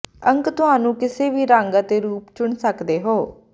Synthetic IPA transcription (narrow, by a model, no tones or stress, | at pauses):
əŋkt̪ʊɦaːnũːkɪseːʋiːɾãːŋɡat̪eːɾuːpt͡ʃʊɳsəkd̪eːɦoː